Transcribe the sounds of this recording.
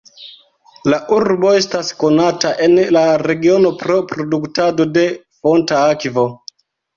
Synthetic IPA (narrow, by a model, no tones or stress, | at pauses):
laʔuɾbo̞e̞stasko̞nataʔe̞nlaɾe̞ɡio̞no̞pɾo̞pɾo̞duktado̞de̞ | fo̞ntaakvo̞